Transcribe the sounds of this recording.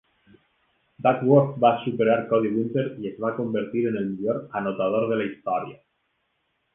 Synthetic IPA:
bakwoɾt̪baːsupeɾaɾkɔðiɣunt̪eɾiezβakombeɾt̪iɾenelmiʎoɾanot̪að̞oɾð̞elaist̪ɔɾja

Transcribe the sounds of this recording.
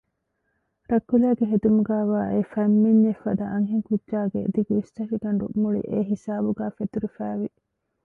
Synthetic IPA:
ɾɐkːulæːɡeɦed̪umuɡæːʋaːʔefɐmːiɲːefɐd̪ɐʔɐŋɦiŋkudʒaːɡḛd̪iɡuist̪ɐʃiɡɐnɾṵʔmuɭḭʔeɦisaːbuɡæːfet̪uɾifæːʋi

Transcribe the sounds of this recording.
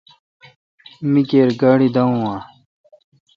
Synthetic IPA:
mikeːɾɡaːɽid̪ɐũwã

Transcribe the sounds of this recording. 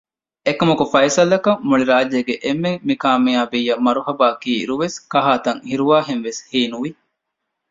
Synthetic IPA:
ekɐmɐkufɐjsɐlɐkɐmːuɭiɾaːd͡ʒeːɡeʔemːeŋːikaːmiaːbijːɐmːɐɾuɦɐbaːkiːɾuʋeskɐɦaːt̪ɐŋhiɾuʋaːɦenʋeshiːnuʋi

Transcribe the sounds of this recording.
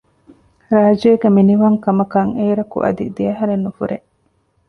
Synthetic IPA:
ɾaːd͡ʒoeɡeminiʋɐŋkɐmɐkɐŋeːɾɐkṵʔɐ̰d̪ḭd̪ijɐɦɐɾenːufuɾe

